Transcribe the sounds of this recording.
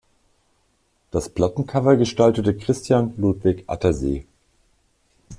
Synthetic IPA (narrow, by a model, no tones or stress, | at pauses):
d̥aspl̥atn̩kʰavɐɡəʃtaltətəkʁ̥ɪstʰjanlutv̥ɪkʔa̰tɐzḛː